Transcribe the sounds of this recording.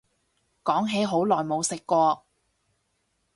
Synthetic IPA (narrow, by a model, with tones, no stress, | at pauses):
kɔː˨˥ŋɦe˨˥jɦo˨˥wlɔː˨jmo˨˧wsɪ˨kːʷɔː˧